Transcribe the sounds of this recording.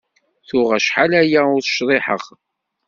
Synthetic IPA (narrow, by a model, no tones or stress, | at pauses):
θʊʁæʃħalæjæʊɾθʃðˤeħə̰ʁ